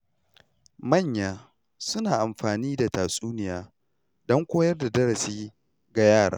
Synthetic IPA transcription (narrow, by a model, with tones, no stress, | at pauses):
mɐ˦˨ɲjaː˨ | sʊ˦naː˨ʔa˨mɸaː˨niː˦da˨taː˨sʼuː˦nɪ˨jaː˦ | dɔ˦ŋkʷoː˦jɐ˦rda˨dɐ˦ɾɐ˨siː˦ | ɡa˨jaː˦˨ɽa̰ː˨˦